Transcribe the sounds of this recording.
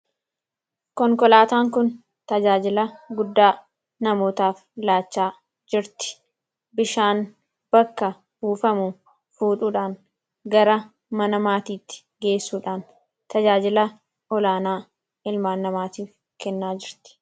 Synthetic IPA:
kɔŋkɔlaːt̪aːŋkʊn | t̪ɐd͡ʒaːd͡ʒɪlɐɡʊd̪ːaː | nɐmo̞ːt̪aːf | laːt͡ʃːaː | d͡ʒɪɾt̪ɪ̥ | bɪʃaːn | b̥ɐkːɐ | buːfɐmʊ | fuːᶑuːᶑaːn | ɡɐɾɐ | mɐnɐmaːt̪iːt̪ːɪ̥ | ɡe̞ːsːuːᶑaːn | t̪ɐd͡ʒaːd͡ʒɪlɐ | ɔlaːnaː | ɪlmaːnːɐmaːt̪iːf | kɛnːaːd͡ʒɪɾt̪ɪ̥

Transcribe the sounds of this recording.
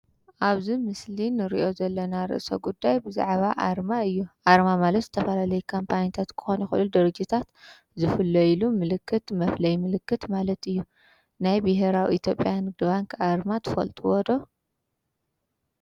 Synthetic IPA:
ʔaβzimɨslinɨɾḭʔo̞zɐlːɐnaɾɨ̰ʔso̰ɡud̪ːajbɨza̰ʕβaʔaɾmaɨjːuʔaɾmamalɐt̪zɨt̪ʰɐfɐlalɐjukʰompʰaɲt̪ʰat̪kʰɨ̥xonɐxɨʔɨlud̪ɐɾɐd͡ʒit̪ʰat̪ | zɨfɨlːɐjlumɨlɨkʰːɨt̪mɐflɐjmɨlɨkːɨt̪malɐt̪ɨjːu | najbɪɦeɾawiit̪ʰjo̞pʼːjanɨd̪ɨβaŋkʰʔaɾmat̪ʰɨ̥fɐ̰lt̪ʼuwɔd̪o̞

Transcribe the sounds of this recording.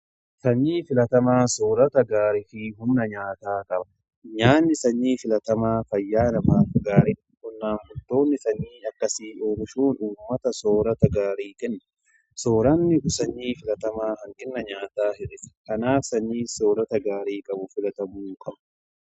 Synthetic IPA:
sɐɲːiːfɪlɐt̪ɐmaːsoːɾɐt̪ɐɡaːɾɪfɪɦʊmnɐɲaːt̪aːkʼɐbɐ̥ | ɲaːnːɪsɐɲːiːfɪlɐt̪ɐmaːfɐjːaːnɐmaːfɡaːɾɪnɪkʊnːaːnfʊt̪ːo̞ːnːɪsɐɲːiːɐkːɐsiːʔoːnɪʃuːnuːmːɐt̪ɐsoːɾɐt̪ɐɡaːɾiːkʼɛnːɐ̥ | soːɾɐnːɪʊsɐɲːiːfɪlɐt̪ɐmaːhɐŋkʼɪnːɐɲaːt̪aːhɛᶑɪskɐnaːfsɐɲːiːsoːɾɐt̪ɐɡaːɾiːkʼɐbʊfɪlɐt̪ɐmuːkʼɐbɐ̥

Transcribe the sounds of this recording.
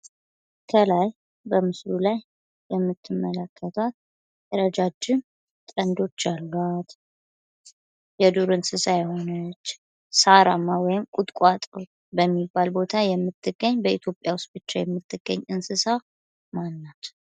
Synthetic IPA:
kʰəlaj | bəmɨslulajː | ɛmːɨt̪ʰːɨmːələkʰːət̪ʰat̪̚ | əɾəd͡ʒad͡ʒːɪm | t̪ʼənd̪o̞t͡ʃːalːat̪ | jɛd̪uɾɨnsɨsajho̞nət͡ʃː | saɾamːawɔjɪmkʼut̪ʼkʷʼat̪ʼo | bəmːibːalbo̞t̪ʰajɛmːɨt̪ʰːɨɡːəɲːbəit̪ʰjo̞pʼjawʊst̪̚ʼbɨt͡ʃːajɛmːɨt̪ʰːɨɡ̥ːəɲːɨnsɨsa | manːat̪

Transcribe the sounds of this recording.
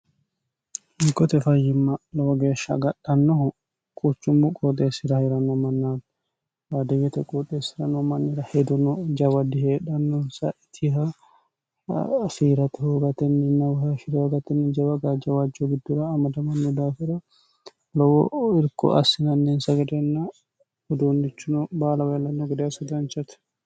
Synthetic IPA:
ɪŋkːɔt̪ɛfɐjːɪmːɐlɔwɔɡeːʃːɐ̰ɡɐɗːɐnːɔh | kʼut͡ʃːʊmːʊkʼɔt̪ʼeːsɪɾɐhɛɾɐnɔmɐnːaːd | ɾad̪ɐɡɛt̪ɛkʼɔt̪ʼːeːsːɪɾɐnɔmɐnːɪɾɐhɛd̪ɔnɔd͡ʒɐwɐd̪ːɪheːᶑɐnːɔnsɐ̰ʔɪt̪ʰːɪɦɐ | fiːɾɐt̪ɛhoɡɐt̪ɛnːɪnːɐwhɐʃɪɾɔɡɐt̪ɛnːɪd͡ʒɐbɐɡad͡ʒɐwad͡ʒːoɡɪd̪ːʊɾɐːmɐd̪ɐmɐnːʊd̪aːfɪɾɐ | lɔwɔ̰ɪɾkɔ̰ʔɐsɪnɐnːinsɐɡɐd̪ɛnːa | ɔd̪unːɪt͡ʃːʊnɔbaːlɐwɐlɐnːɔɡɪd̪esɐd̪ɾɐnt͡ʃɐt̪ɛ̥

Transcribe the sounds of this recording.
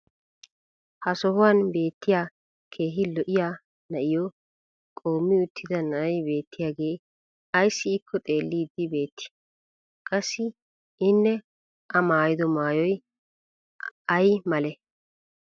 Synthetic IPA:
hɐsɔɦʊwaːnbe̞ːt̪ːɪjaː | kʰe̞ːɦɪlɔʔɪjaː | nɐʔɪjɔ | kʼo̞ːmːɪʊt̪ʰːɪd̪ɐnɐʔɐjbe̞ːt̪ːɪjaːɡe̞ː | ɐjsːɪːkʰːɔt̪ʼe̞ːlːiːd̪ːɪbe̞ːt̪ʰːɪ̥ | kʼɐsːɪ | ɪnːɛ | ʔɐmaːjɪd̪ɔmaːjɔj | ɐjmɐlɛ

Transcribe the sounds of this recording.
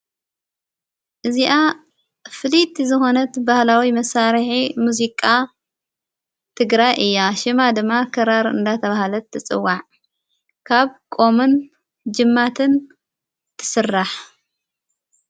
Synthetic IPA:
ʔɨziʔa | fɨlit̪zɨxo̞nɐt̪bahlawimɐsaɾħimuzikʼa | t̪ʰɨɡɾajʔɨjːaʃɪmad̪ɨmːakʰɐɾaɾɨ̰nd̪at̪ʰɐβahlɐt̪ʰːɨt͡sʼɨ̰wːaʕ | kʰaβkʼo̞mɨn | d͡ʒɨmːat̪ʰɨn | t̪ʰɨ̥sɨrːaħ

